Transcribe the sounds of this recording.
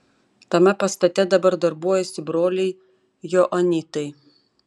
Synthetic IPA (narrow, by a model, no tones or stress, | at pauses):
t̪ɐmʲɛpɐst̪ɐt̪ʲɛd̪ɐbɐɾd̪ɐɾbuɔjɛsʲɪbɾoːlʲɛɪ | jɔʔɐnʲit̪ɐɪ